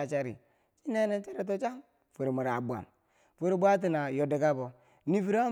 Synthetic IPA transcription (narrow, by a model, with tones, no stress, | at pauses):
a˨t͡ʃa˦ɾḭ˨ | t͡ʃi˦ne˦ne˦nt͡ʃe˦ɾe˦t̬o˦t͡ʃa˦ŋ | fu˨ɾmu˨ɾa˨bu˨a̰˨n | fu˦ɾi˨bʷa˦t̬i˦na˨jo˨di˨ka˦bo˨ | ni˦fi˦ɾa˦